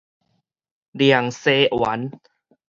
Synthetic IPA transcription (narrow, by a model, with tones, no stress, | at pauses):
di˧˩ə˨˩ŋseː˧˩ʔwa˨˦n